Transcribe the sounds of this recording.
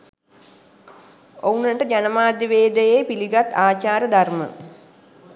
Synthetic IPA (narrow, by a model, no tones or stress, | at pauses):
ounəʈəd͡ʒanəmaːd̪jəʋeːd̪əjepiliɡat̪aːt͡ʃaːɾəd̪armə̰